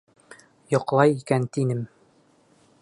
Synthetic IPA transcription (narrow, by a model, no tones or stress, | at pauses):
jŏqlˠɑjikænt̪inɘm